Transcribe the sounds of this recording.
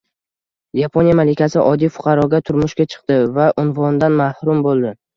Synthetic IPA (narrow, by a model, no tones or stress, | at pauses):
japʰonijamalɪkʲasɪʔɒd̪ijfʊ̥qʰɑɾɒɡʲat̪ʰʊɾmʊʃkʲat͡ʃʰɨ̥q̚t̪ɪvaʔʊnvɒnd̪anmahɾʊmbolˠd̪ɪ